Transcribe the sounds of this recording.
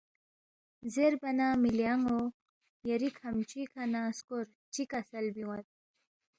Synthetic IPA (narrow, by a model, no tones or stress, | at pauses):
zeɾbɐnamilijaŋo | jɐɾikʰɐmt͡ɕikʰɐnaskoɾ | t͡ɕikɐsɐlbiwɐt̪̚